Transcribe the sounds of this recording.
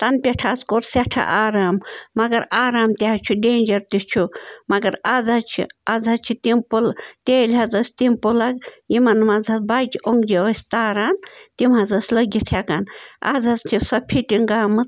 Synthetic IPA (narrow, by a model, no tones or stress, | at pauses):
t̪ɐnpʲeʈʰaːzkoɾseʈʰa̰ʔaːɾaːmːɐɡɐɾaːɾaːmt̪ʲeɦɐt͡ʃʰuɖeːnʲd͡ʒɐɾt̪it͡ʃʰumɐɡɐɾazɐt͡ʃʰḭazɐt͡ʃʰit̪impult̪ʲeːlʲɦɐzɐsʲt̪impulɐkjimɐnmɐzɐt͡sbakʲiʔoŋɡd͡ʒeʋɐsʲt̪aːɾaːnt̪imɦɐzɐsʲlɐɡʲit̪ʰjakanʔa̰zɐzt̪ʰisɐpʰiʈʲiŋɡaːmɨt͡s